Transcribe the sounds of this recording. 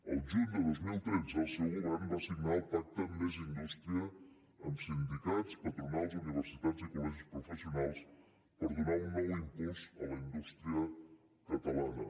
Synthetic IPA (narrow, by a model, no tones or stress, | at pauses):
əlˠʒud̪əðozmilˠt̪ɾed͡zəsəɣuambasiɡnalp̪ak̚t̪əmezind̪ust̪ɾiəː | msind̪ik̪at͡spət̪ɾunalˠziuniβ̞əɾsit̪ad͡zəkulɔʒikspɾufəsiunalˠs | pəɾðunaunːɔwiŋpusə̰ləind̪ust̪ɾiə | kət̪əlanə̰